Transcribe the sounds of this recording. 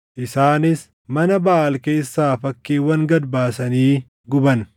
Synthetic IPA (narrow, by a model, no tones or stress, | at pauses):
ʔɪsaːnɪs | mɐnɐbɐʔaːlkeːsːaːfɐkːeːwɐŋɡɐd̪baːsɐniː | ɡʊbɐn